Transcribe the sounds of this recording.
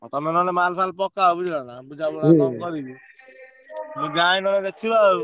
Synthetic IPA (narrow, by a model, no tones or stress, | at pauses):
t̪ɔmenɔnemalpʰalpɔkːabud͡ʒʱlanabud͡ʒʱabunakɔkɔɾibi | meɡajnɔned̪ekʰiba